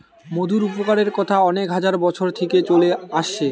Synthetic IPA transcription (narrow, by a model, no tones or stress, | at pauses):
mod̪ʱuɾupokaɾeɾkɔt̪ʰaɔnekɦad͡ʑaɾbɔt͡ɕʰoɾt̪ʰeket͡ɕoleaʃe